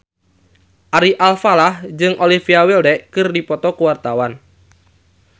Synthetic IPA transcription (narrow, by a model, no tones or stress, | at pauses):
ʔaɾiʔalfalahd͡ʒɨŋʔolifiawildɛʔkɨrdipɔt̪ɔkuwart̪awan